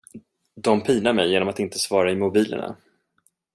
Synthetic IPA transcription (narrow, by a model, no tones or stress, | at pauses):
d̪ɔmpʰiːnaɾmɛjːeːnɔmat̪ɪnt̪ə̥svɑːɾaɪmʊbiːlə̰ɳa̰